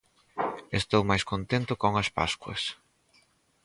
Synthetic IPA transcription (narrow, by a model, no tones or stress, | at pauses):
est̪owmajskont̪ent̪ʊkoŋɐspa̰skwɐ̰s